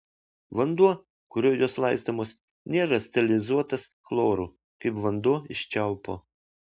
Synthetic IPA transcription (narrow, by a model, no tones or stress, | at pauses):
ʋɐnd̪uɔ | kʊɾʲoːjoːslˠɑɪst̪omoːs | nʲeːɾɐsʲt̪ʲɐlʲɪzuɔt̪ɐsklˠoːɾuː | kɐɪpʋɐnd̪uɔɪʃʲt͡ʃʲɛˑʊpoː